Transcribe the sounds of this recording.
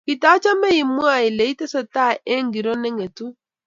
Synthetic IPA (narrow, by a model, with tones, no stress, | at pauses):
ki˨ta˨˦t͡ʃa˦mɛ˦ji˨mwa˦˨i˨le˨˦i˦tɛ˦sɛ˨ta˦˨ʔe˦ŋɡi˨ɾɔ˦nɛ˦ŋe˨tu˦